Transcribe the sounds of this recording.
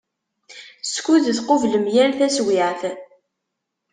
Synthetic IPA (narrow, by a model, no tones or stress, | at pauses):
skuðəθqovləmjæɾθæswɪʕθ